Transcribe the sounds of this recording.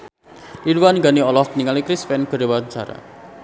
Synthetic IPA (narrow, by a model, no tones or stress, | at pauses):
liɽuwanɡaniɔlɔhniŋalikɾisfɛnɡ̥ə̤ɾewant͡ʃa̰ɾa̰